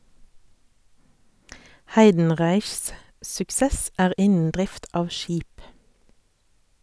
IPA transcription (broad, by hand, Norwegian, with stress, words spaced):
ˈhæɪdn̩ˌʁæɪçs sʉkˈsɛs ˈæːʁ ˈɪnn̩ ˈdʁɪft ˈɑːʋ ˈʃiːp